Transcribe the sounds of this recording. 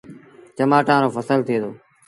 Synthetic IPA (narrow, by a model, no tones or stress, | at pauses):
t͡ʃəmaːʈãːɾoːfəsəlt̪ʰeːd̪oː